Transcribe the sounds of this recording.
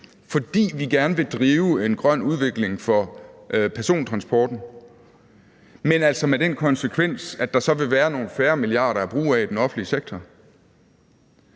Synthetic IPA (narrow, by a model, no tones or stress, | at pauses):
fɒ̽d̥ḭːʋiɡ̥æɐnəʋe̝d̥ʁiːʊe̝nɡ̥ʁɶn̰uð̞ˠʋe̝ɡ̥le̝ŋfɒ̽ʔpʰæɐso̝̰ːnt͡sʰʁɑ̈nsb̥ɒːd̥n̩ | menæl̰sɒ̽med̥enkʰɒ̽nsekʰʋen̰sæd̥ɑ̈sɒ̽ʋe̝ʋæːɐno̝ːn̩fæːɐmiliɑ̰̈ːɾɐæb̥ʁṵːæid̥enɒ̽fn̩liəseɡ̥̚t͡sʰɒ